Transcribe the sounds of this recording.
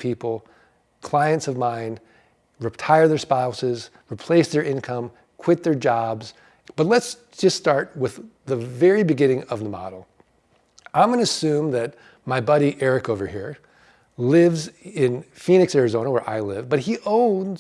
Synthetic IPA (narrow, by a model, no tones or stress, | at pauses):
pʰipl̩ˠ | kʰl̥aɪɨ̃ntsʌvmãɪ̃nd̥ | ɹitʰaɪə˞ðə˞spaʊsɪz | ɹipʰl̥eɪsðə˞ʔɪ̃nkʰʌ̃m | kʰw̥ɪt̪̚ðə˞d͡ʒɑbz | b̥ʌtˡlɨtsd̥ʒ̥ʌststɑɹt̚wɪððəvɛɹibɨɡɪ̃ñɪ̃ŋʌvðəmɑ̰ɾl̩ˠ | ãɪ̃mɡʌnɨɨsʉ̃mðɨt̚ | maɪbɑɾiʔɛɹɨkoʊvə˞hiɹ | lɪvzɪ̃nfĩnɨksɛɹɨzõʊ̃nəwə˞ʔa̰ɪlɪvbʌt̚hiʔõʊ̃nz